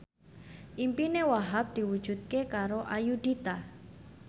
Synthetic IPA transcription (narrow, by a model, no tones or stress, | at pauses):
ʔimpinewaɦap̚d̪̥i̤wud̥ʒ̥ṳt̪̚kekaɾoʔajud̪it̪a